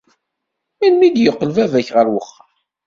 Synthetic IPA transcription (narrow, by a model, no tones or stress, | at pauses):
minmid̪jəqːəlvævæçʁəɾwəχːɑ